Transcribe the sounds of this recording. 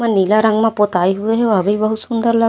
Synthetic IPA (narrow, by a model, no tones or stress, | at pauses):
ãnilaɾə̃ŋɡmãpot̪aːiɦueɦɛʋəbʱibəɦut̪sʊnd̪əɾlə